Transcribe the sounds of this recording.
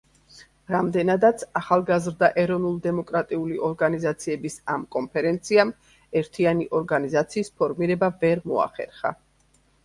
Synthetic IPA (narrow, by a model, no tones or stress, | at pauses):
ɾamd̪ɛnad̪at̪sʰaχalˠɡazɾd̪aʔɛɾɔvnulˠd̪ɛmɔkʼɾat̪ʼiuliʔɔɾɡanizat̪sʰiɛbisa̰mkʼɔnpʰɛɾɛnt̪sʰiam | ɛɾt̪ʰianiʔɔɾɡanizat̪sʰiːspʰɔɾmiɾɛbavɛɾmɔa̰χɛ̰ɾχa̰